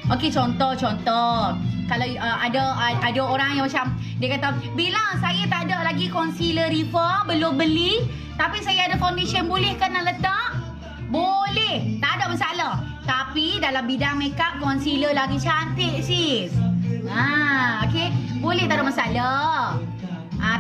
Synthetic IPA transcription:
ʔoket͡ʃɔnt̪ɔht͡ʃɔnt̪ɔhkala | əadaadaoɾaŋjaŋmat͡ʃam | diakat̪abilasajat̪adaʔlaɡikɔnsiləɾifəbəlʊmbəli | t̪apisajaadafawndesənbolɛhkənːaʔlət̪aʔ | bolɛht̪adaʔməsalah | t̪apidalambidaŋmekaʔkɔnsiləlaɡit͡ʃant̪ɪʔsi | aokebolɛht̪adaʔ̚məsala | ʔã

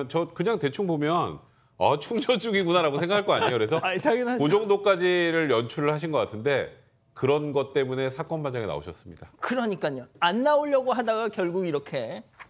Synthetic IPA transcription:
nt͡ɕʌkɯɲaŋte̞t͡ɕʰuŋbomjʌn | at͡ɕʰuŋd͡ʑʌt͡ɕ͈uɡiɡunaɾaɡos̬ʰeŋɡakʰaɭk͈oaɲejokɯɾe̞sʰʌitaɡinakod͡ʑʌŋdok͈ad͡ʑiɾɯɭjʌnt͡ɕʰuɾɯɭhaɕ̬ʰinɡʌk͈atʰɯnde̞ | kɯɾʌnɡʌt̚t͈e̞mune̞sʰak͈ʌnband͡ʑaŋena̰o̰ɕʰʌs͈ɯmɲidakɯɾʌɲik͈aɲoanːaoʎːʌɡoɦadaɡakjʌɭɡuɡiɾʌkʰe̞

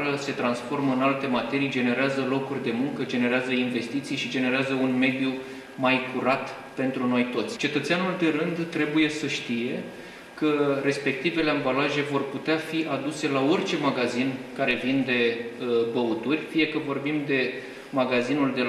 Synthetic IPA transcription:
ɾəse̞t̪ɾansfo̞rməɨnalt̪e̞mat̪e̞ɾijd͡ʒe̞ne̞ɾeazəlo̞kurʲd̪e̞muŋkəd͡ʒe̞ne̞ɾeazəinve̞st̪it̪sijʃid͡ʒe̞ne̞ɾeazəunme̞d̪ju | majkuɾat̪ | pe̞nt̪ɾuno̞jt̪o̞t̪sʲt͡ʃe̞t̪ət̪seanuld̪e̞ɾɨnd̪t̪ɾe̞buje̞səʃt̪ije̞ | kəɾe̞spe̞k̚t̪ive̞le̞ambalaʒe̞vo̞rput̪eafiʔad̪use̞lao̞rʲt͡ʃe̞maɡazinkaɾe̞vind̪e̞əbəut̪urʲfije̞kəvo̞rbimd̪e̞ | maɡazinuld̪e̞

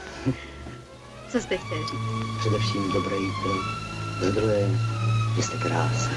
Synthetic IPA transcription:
t͡sost̪ɛxt̪ʲɛlriːkpr̥ɛdɛfʃiːmdobɾɛjtɾʊxzad̪ɾuɦɛʒɛst̪ɛkɾaːs

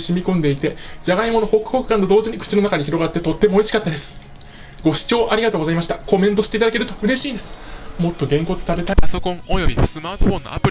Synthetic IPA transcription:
ɕimʲikõ̞nd̪e̞it̪e̞d͡ʑaɡaimo̞noho̞kɯ̟̥hokɯ̟kːãnt̪od̪o̞ːʑiɲ̟ikɯ̟̥t͡ɕinoakaɲ̟içiɾo̞ɡat̪ːe̞t̪o̞t̪ːe̞moːeɕi̥kat̪ːad̪e̞sɨ̥ | ɡ̥o̞ɕi̥t͡ɕo̞ːʔaɾʲiɡat̪oːɡzaimaɕi̥t̪ako̞mẽ̞nt̪̬o̞ɕi̥t̪e̞it̪ad̪ake̞ɾɯ̟t̪o̞ɯ̟ɾe̞ɕiːnd̪e̞sɨ̥mo̞t̪ːo̞ɡẽ̞ŋko̞t͡sɨ̥t̪abe̞t̪aaso̞kõ̞ŋojo̞bʲisɨmaːt̪oɸõnːo̰a̰pɯ̟

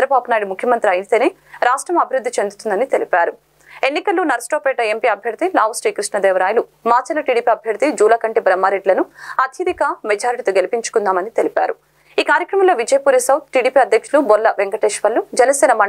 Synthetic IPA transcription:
ɾɐbaːbunaːjɽimukʰjɐmɐnt̪ɾiɐjnt̪eːneː | ɾaːsʈɾɐmɐbʱiɾud̪ʱːit͡ʃend̪ut̪und̪ɐnit̪e̞lipaːɾu | e̞nːikɐlːuːnɐɾsʈoːpeːʈɐempiːɐbʱjɐɾt̪ilaːʋɐsʈeːkɾiʂɳɐd̪ɛːʋɐɾaːjɐlumaːt͡ʃɐlɐʈiːɽiːpiɐbʱjɐɾt̪id͡ʒuːlɐːkɐɳʈibɾɐmːaːɾeɖlɐnuɐt̪ʰjɐd̪ikɐmed͡ʒaːɾiʈit̪oːɡe̞lipiɲt͡ʃu̥kund̪aːmɐnit̪elipa̰ːɾu | iːkaːɾjɐkɾɐmɐmlo̞ːʋid͡ʒɐjɐpuːɾisɐwt̪̚ʈiːɽiːpiːɐd̪ʱjɐkʂulubɔlːɐʋeŋkɐʈeːʂʋɐlːud͡ʒɛnɐsɛːnɐmɐ

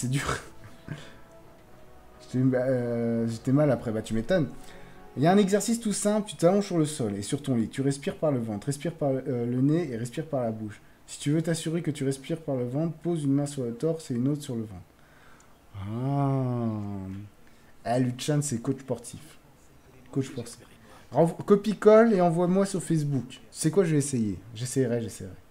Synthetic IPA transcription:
sɛd̪yːʁ | ʒə̥t̪ɛaʒət̪ɛmalapχɛbat̪ymet̪ɔn | jaɛ̃nɛɡzɛʁsist̪usɛ̃plt̪yt̪alɔ̃ʒsyʁləsɔlesyʁt̪ɔ̃lit̪yʁɛspiʁpaʁləvɑ̃t̪ʁɛspiʁpaʁləneːʁɛspiʁpaʁlabuʃ | si̥t̪yvøt̪asyʁekət̪yʁɛspiʁpaʁləvɑ̃t̪pozynmɛ̃syʁlət̪ɔʁseynot̪χsyʁləvɑ̃t̪ | a | alyt͡ʃansɛkot͡ʃspɔʁt̪ʰif | kospɔʁt̪if | ʁɑ̃vkɔpikɔleɑ̃vwamwasyʁfɛs̬buksɛkwaʒəɛːsejeʒesɛjʁɛʒesɛjʁɛ

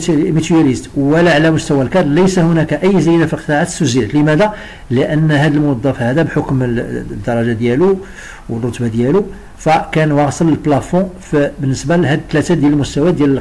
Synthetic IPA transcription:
mit̪ujælist̪wəlæʕlæmʊst̪æwælkɑd̪ˤləjsæhʊnækæʔəjːzəjd̪æfilqə̥t̪ˤɑʕat̪suzilt̪ləmæd̪æ | ləʔənːɦæd̪əlmʊwɑd̪ˤːɑfihæd̪æbħokmd̪ːɑɾˤːɑʒad̪jælu | wərˤːot̪bad̪jælu | fækænwɑɣsˤələlblɑfɔ̃fbənːəsbæhæd̪ət̪ːlæt̪æd̪jæləlmʊst̪æwæd̪jælə

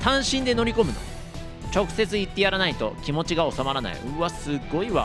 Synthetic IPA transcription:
t̪ãɰ̃ɕĩnd̪e̞no̞ɾʲiko̞mɯ̟no̰ | t͡ɕo̞kɯ̟̥se̞t͡sɨit̪ːe̞jaɾanait̪o̞̰kʲimo̞t͡ɕiɡao̞samaɾana̰ḭβasɨɡːo̞iβa̰

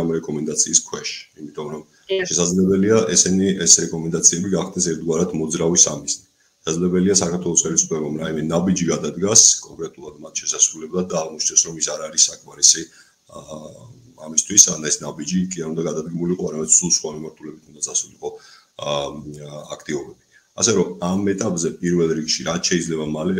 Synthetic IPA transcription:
amɾɛkʼɔmɛnd̪at̪sʰiːskʰwɛʃimit̪ʼɔmɾɔm | ʃɛsad̪zlɛbɛliaʔɛsɛniɛsɾɛkʼɔmɛnd̪at̪sʰiɛbiɡaχd̪ɛsɛɾt̪̚ʰɡwaɾat̪ʰmɔd̪zɾavisamiznɛ | ʃʃɛsazlɛbɛliasakʰaɾt̪ʰwɛlˠɔsχɛlisupʰlɛbɔmɾaimɛnabid͡ʒiɡad̪ad̪ɡaskʼɔŋkʼɾɛt̪ʼulˠad̪mat̪ʰʃɛsasɾulɛblˠat̪̚d̪aːʁmɔt͡ʃʰnɛsɾɔmisaɾaɾisːakʰʼmaɾisi | amist̪ʰwisanaɛsnabid͡ʒikʼiaɾund̪aɡad̪ad̪̚ɡimuliqʼɔaɾamɛd̪̥sumsχwamimaɾt̪ʰulɛbit̪ʰund̪at̪sʰasuiqʼɔ | a̰kʰt̪ʼivɔbɛbi | a̰sɛɾɔmamɛt̪ʼapʼzɛpʼiɾvɛlˠɾikʃiɾat̪ʰʃɛid̪zlɛbamalɛ

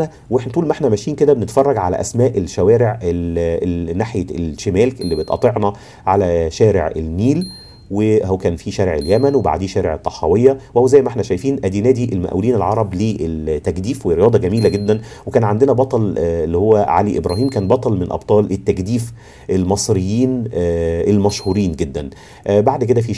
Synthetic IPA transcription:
æ | weħnæt̪ˤuːlmʔeħnæmæʃiːnked̪æbenet̪fɑrˤːɑɡʕalæ̰ʔæ̰smæːʔelʃæwæːɾeʕelnːaħjeelʃemæːlkʔelːibet̪ʔɑ̰t̪ˤeʕnɑ | ʕalæʃæːɾḛʕḛlmiːl | wehokæːnfiʃæːɾeʕeljæmænweba̰ʕd̪iːʃæːɾeʕet̪ˤːɑħɑwejːɑwhowzæjːmæʔeħnæʃæjfiːnʔæd̪iːnæːd̪iʔelmæʔuliːnelʕɑɾˤɑbliːʔelt̪ːækd̪iːfwerɾːejɑːd̪ˤɑɡæmiːlæɡed̪ːænwekæːnʕand̪enæbɑt̪ˤɑlelːihowːæʕa̰liʔebɾɑːhiːmkæːnbɑt̪ˤɑlmɪnʔɑ̰bt̪ˤɑːlʔet̪ːækd̪iːf | ʔelmɑsˤɾejːiːnʔelmæʃhuːɾiːnɡed̪ːæn | ʔbaʕd̪ked̪æfi

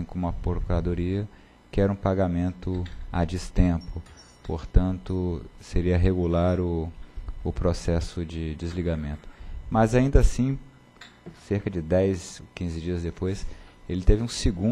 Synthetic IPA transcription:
ĩkõmũɐpoɾokuɾad̪oɾiɐ | kɪɛɾɐũpaɡamẽnt̪ʊad͡ʒist̪ẽpʊ | poɾt̪ɐ̃nt̪ʊseɾiɐɦeɡulaɾʊ | ʊpɾosɛsʊd͡ʒɪd͡ʒɪzliɡamẽnt̪ʊ̥mɐzaĩnd̪asĩ | seɾkɐd͡ʒɪd̪ɛjsokĩzɪd͡ʒiɐzd̪epojselɪt̪evɪũsɪɡũ

